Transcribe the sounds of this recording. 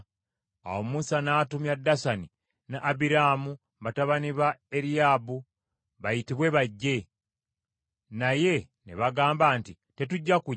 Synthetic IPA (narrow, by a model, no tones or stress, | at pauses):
a̰wo̞musanaːtumjadːasani | naʔːbiɾaːmu | βataβaniβaeɾiaːbu | βajitiβwe̞βaɟːe̞ | naje̞ | nḛβaɡaːmbaːnti | te̞tuɟːaku